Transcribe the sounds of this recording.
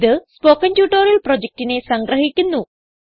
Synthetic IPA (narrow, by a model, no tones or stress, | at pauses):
ðɨspo̞ːkːɐntjuːʈːoːɾilpro̞d͡ʑek̚tine̞sɐŋɡɾɐɦikʲːunːu